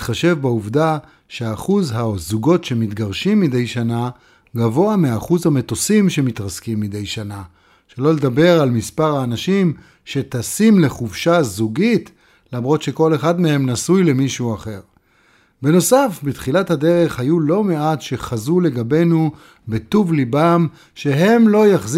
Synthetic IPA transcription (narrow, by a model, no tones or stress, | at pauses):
itχaʃe̞vbauvda | ʃeaːχuzɦazuɡo̞tʃe̞mitɡaʁʃimːide̞jʃana | ɡavo̞ameaaχuzhame̞to̞simʃe̞mit̪ʁaskimːide̞jʃana | ʃe̞lo̞le̞d̪abe̞ʁalmispaʁhaːnaʃim | ʃe̞tasimle̞χufʃazuɡit | lamʁo̞tʃe̞ko̞le̞χadmehe̞mnasujle̞miʃuaχe̞ʁ | beno̞safbit̪χilathade̞ʁe̞χhajulo̞me̞atʃe̞χazule̞ɡabe̞nu | betuvlibam | ʃe̞ɦe̞mlo̞jaχz